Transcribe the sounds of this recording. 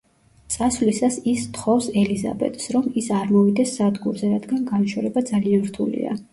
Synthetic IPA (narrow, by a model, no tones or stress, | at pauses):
t̪sʼasvlisasist̪χɔfsɛliza̰bɛ̰t̪sɾɔmisaɾmɔvid̪ɛsːad̪ɡuɾzɛɾad̪ɡanɡanʃɔɾɛbad̪zalianɾt̪ʰṵlḭa̰